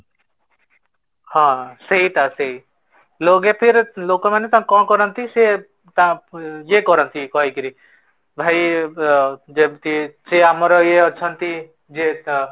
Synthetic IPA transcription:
hãːsɐɦit̪aseɦi | loːɡepʰiɾloːkõmẽnet̪ãkɔ̃ːkɔɾənt̪ise | t̪ãjekɔɾənt̪ʰikɔɦikiɾi | bʱaːi | d͡ʒet̪iseamɾojeɔːt͡ʃʰənt̪i | d͡ʒe

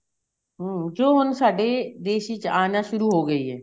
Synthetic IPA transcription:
ɦd͡ʒoːɦʊnsaːɖed̪eːʃit͡ʃaːnaʃʊɾuɦoɡəiɦɛ̰ː

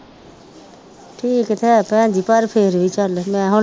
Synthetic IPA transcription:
ʈʰiːkt̪ʰɛpɛ̃d͡ʒipaɾpʰeɾit͡ʃalmɛ̃ɦʊ

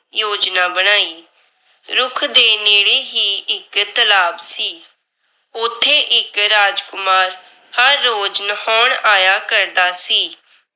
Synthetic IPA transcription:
joːd͡ʒnaːbəɽ̃aːiː | ɾʊkʰd̪eːneːɽeːɦiːʔɪkt̪əlaːbsiː | ʊt̪ʰːeːʔɪkɾaːd͡ʒkʊmaːɾ | həɾːoːd͡ʒnəhɔːɳaːjaːkəɾd̪aːsiː

